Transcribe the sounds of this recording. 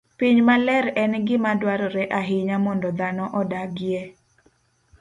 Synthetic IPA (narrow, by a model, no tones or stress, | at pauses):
piɲmalɛɾɛnɡɪmadwaɾɔɾɛʔaɦɪɲamɔndɔd̪anɔʔɔdaɡɪjɛ